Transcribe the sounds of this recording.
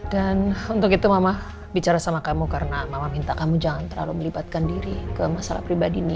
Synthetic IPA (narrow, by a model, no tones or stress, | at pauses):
danunt̪ʊkit̪umama | bit͡ʃaɾasamakamukaɾənamamamint̪akamud͡ʒaŋant̪ərla̰luməlibat̪̚kandiɾikəmasalahpɾibadini